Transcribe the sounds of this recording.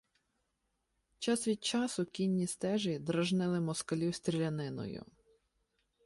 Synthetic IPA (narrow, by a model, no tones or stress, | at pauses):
t͡ʃɑsʋʲid̪̚t͡ʃɑsʊkʲinʲːist̪ɛʒid̪ɾɐʒnɪlˠɪmɔskɐlʲist̪ɾʲilʲɐnɪnɔ̰jʊ̰